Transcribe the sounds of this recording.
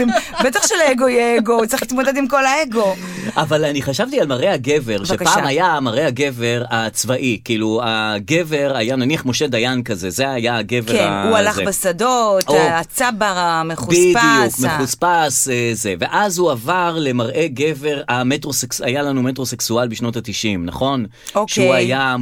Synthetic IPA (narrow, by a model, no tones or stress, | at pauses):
mbet̪aχʃeleeɡo̞jeeɡout͡siχlit̪mod̪ed̪imko̞laeɡo̞ | ʔavalaniχaʃavt̪ialmaʁʔe̞haɡe̞ve̞ʁʃvekpːmajamaʁʔeaɡe̞ve̞ʁat͡svaʔikiːluaɡe̞ve̞ʁajananiaχmo̞ʃe̞d̪ajankaze̞zeajaɡe̞veʁa̰ualaχbesadot̪oat͡sabaameχubidijukmeχuspaseze̞ve̞ʔazhuavaʁle̞maʁʔe̞ɡe̞ve̞ʁametʁo̞seksajalanumet̬ʁo̞seksualbiʃno̞tat̪iʃimna̰χo̞n | oʃeuaja